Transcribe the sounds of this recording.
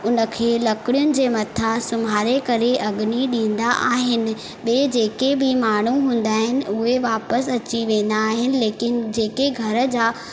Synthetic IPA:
ʊnə̆kʰeːlɐkɪɽjʊnɪ̆d͡ʑeːmɐt̪ʰasʊmɦaːɾekɐɾeʔɐɡniɗĩːn̆d̪aʔaːɦɪnɪ̆ | ɓeːd͡ʑeːkebʱɪmaːɳ̤uɦũːn̆d̪aːɦɪnɪ̆ʊɦeʋaːpəsɐt͡ɕiʋẽːn̆d̪aːɦɪnɪ̆leːkɪnɪ̆d͡ʑeːkeɡʱɐɾə̆d͡ʑaː

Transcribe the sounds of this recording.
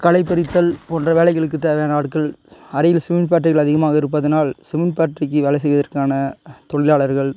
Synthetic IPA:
kɐɭɐɪpːɐɾɪt̪ːɐlpoːndrɐʋeːɭɐɪɣɐɭɯkːɯt̪ːeːʋɐjaːnɐaːʈkɐɭɐɾɐjɪlsɪmɪnpaːʈrɪɣɐɭɐðɪɣɐmaːɣɐɪɾɯp̬ːɐðɐnaːlsɪmɪnpaːʈrɪk̬ːɯʋɛlɐɪs̬ɛjʋɐðɐrkaːnɐt̪ɔɭɪlaːɭɐɾɣɐɭ

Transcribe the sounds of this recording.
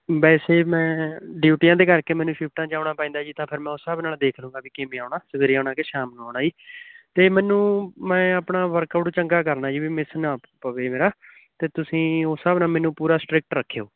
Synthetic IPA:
bɛːseːmɛ̃ːɖjuːʈijãːd̪eːkəɾkeːmɛːnũːpʰɪp̚ʰʈãːd͡ʒaːʊɳaːpãĩːnd̪aːd͡ʒiːt̪ãːpʰɪɾmɛ̃ːosəbnaːld̪eːkʰlũːɡaːbiːkemĩːaːɳaːsəɡeːɾiaːɳãːkeʃaːmnoːɽaːd͡ʒiːt̪eːmɛːnũːmɛ̃ːəpɳaːʋəɾkəpʈot͡ʃəŋɡaːk̬əɾnaːd͡ʒiːbiːmɪsnaː | pəʋeːmeːɾaː | t̪eːt̪ʊsĩːoːsəbnaːmɛːnũːpuːɾaːsʈɾɪk̚ʈɾəkʰːejo̰ː

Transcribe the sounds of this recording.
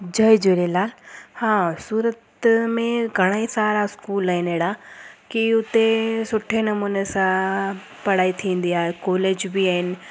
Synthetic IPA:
d͡ʑɐɪd͡ʑeːɾelaːlhãːsuːɾət̪mẽɡʱɐɽ̃aisaːɾaskuːlaːɦɪnɦeːɽakiʊt̪esʊʈʰenɐmuːnesã | pɐɽ̤aːit̪ʰĩːn̆d̪iaːɦekoːleːd͡ʑbiaːɦɪnɪ̆

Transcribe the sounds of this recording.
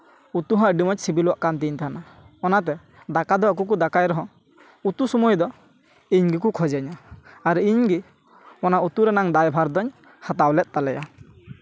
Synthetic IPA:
ut̪uɦãʔɖimɔt͡ʃsibilɔwaʔkant̪iɲt̪ʰaɦna | ɔnat̪̬ɛ | d̪akad̪ɔak̬uk̬ud̪akajɾɔɦɔ̃ | ut̪usɔmɔjd̪ɔ | iɲɡik̬ukʰɔd͡ʒaɲaːɾiɲɡi | ɔnaut̪uɾɛnaŋd̪ajbʱaɾd̪ɔɲ | hat̪awlɛt̪̚ˀt̪alɛja

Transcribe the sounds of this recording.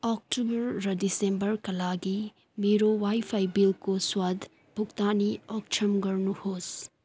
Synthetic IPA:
ɔk̚ʈubɐɾːɐdisẽmbɐɾkɐlaːɡi | meɾowaːipʰaibilkoswad̪ʱ | bʱukt̪aːniɔk̚t͡ʃʰɐmɡɐɾnuhoːs

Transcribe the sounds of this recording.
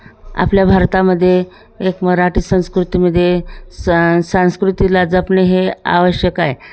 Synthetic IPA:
a̰pljabʱaɾt̪aməd̪ʱːjeː | kməɾaʈiːsə̃w̃skɾut̪iməd̪ʱːje | sãw̃skɾut̪ilad͡zapɳeɦea̰ʋəɕjəkaje

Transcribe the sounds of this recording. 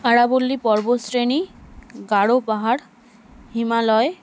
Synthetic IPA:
aɹabulːipɔɹbosɹeniɡaɽopaɦaɽ | himalɔj

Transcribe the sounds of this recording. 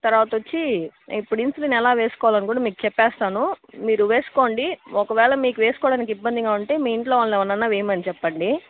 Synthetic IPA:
t̪ɐɾʋaːt̪ɐʋot͡ʃːiipːuɽinsulinɛlaːʋeːsu̥kɔːʋalɐnikuːɽamiːkut͡ʃɛpːɛːst̪aːnumiːɾuʋeːsu̥ko̞ːɳɖiɔkɐʋɛːɭɐmiːkuʋeːsu̥kɔːɽaːnikibːɐnd̪iɡaːuɳʈe̞ːmiːiɳʈloːʋaːɭɐnɛʋɐnːɐnːaːʋeːmɐnit͡ʃɛpːɐɳɖi

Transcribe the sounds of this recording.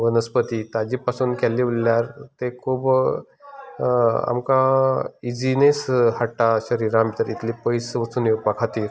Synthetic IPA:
ʋənəspət̪it̪ad͡ʑiːpasuːnkʰɛlːiʋəlljaɾt̪ekʰuːb | a̰mkãid͡ʑineshaʈːaɕəɾiːɾãmit̪əɾit̪ʰlipəjsʋət͡suːnepakʰat̪iːɾ

